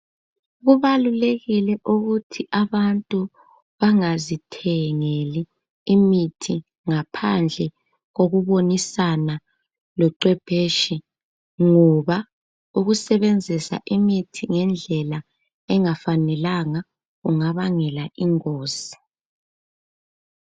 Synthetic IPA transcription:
ɣuβaluleɣilɛʔuɣutʰiʔaβantʼu | βaŋazitʰɛŋeliː | mitʰi | ŋapʰand͡ɮʱɛ | ɣoɣuβonisana | lɔǀwɛb̥ʱeːʃi | ŋɔβa | uɣusɛβend͡zʱisa̰ʔimitʰiŋɛnd͡ɮʱɛla | ɛŋafanɛlaŋa | ɣuŋaβaŋɛlaʔiŋoːsi̥

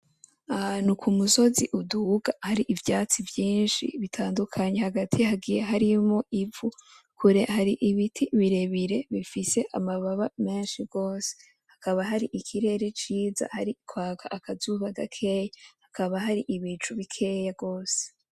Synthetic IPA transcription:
anukʰumuso̞ziʔuduɡahaɾiʔivjaːt͡sivjiːnʃḭβitʰaːndukʰaɲe̞haɡatʰijhaɡijeɦaɾimo̞ʔivu | kʰuɾe̞haɾiʔiβitʰiβiɾe̞βiɾe̞βifise̞ʔamaβaβame̞ːnʃiɡo̞ːse̥ | hakaβaɦaɾiʔikʰiɾe̞ɾe̞t͡ʃiːza̰haɾikwaːkʰaʔakazuːβaɡakʰe̞ːjahakaβaɦaɾiʔiβiːt͡ʃuβikʰe̞jaɡo̞ːse̥

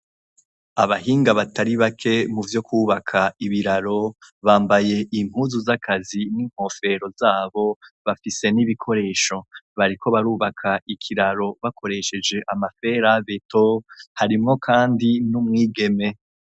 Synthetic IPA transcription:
aβahiːŋɡaβataɾiβakʰe̞muvjo̞kʰuːβakʰaiβiɾaɾo̞βaːmbaje̞ʔim̥huːzuzakʰaziniŋ̥ho̞fe̞ɾo̞zaːβo̞βafise̞niβikʰo̞ɾe̞ːʃo̞βaɾikʰo̞βaɾuːβakʰaikʰiɾaɾo̞βakʰo̞ɾe̞ʃe̞d͡ʒe̞ʔamafe̞ːɾaveto̞haɾimŋo̞kʰaːndinumŋiːɡe̞me̞

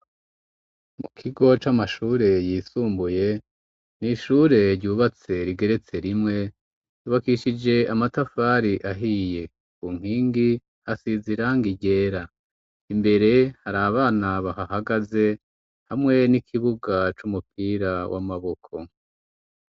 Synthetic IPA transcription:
mukʰiɡo̞t͡ʃamaʃuːɾe̞jiːsuːmbuje̞ | niʃuɾe̞ɾɟuːβat͡se̞ɾiɡe̞ɾe̞t͡se̞ɾimŋe̞ | juβakiʃid͡ʒe̞amatafaɾiʔaɦije̞ | kuŋ̥hiːŋɡi | hasiziɾaŋɡiɟe̞ːɾa | imbe̞ɾe̞haɾaβaːnaβaɦahaɡaze̞ | hamŋe̞nikʰiβuɡat͡ʃumupiːɾawʔa̰maβo̞kʰo̞

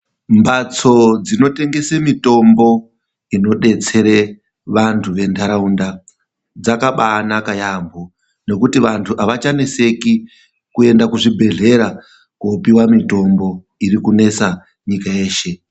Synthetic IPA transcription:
mbat͡so̞d͡zino̞te̞ŋɡe̞semito̞mbo̞ | ino̞ɗe̞t͡se̞ɾe̞ | ʋantʰuʋe̞ntʰaɾaunda | d͡zakaɓaːnakajambo | ne̞kutiʋantʰuʔaʋat͡ʃanese̞ki | kue̞ndakuʐibʱe̞ɮe̞ɾa | kopiwamito̞mbo̞ | iɾikune̞sa | ɲikae̞ːʃe̞

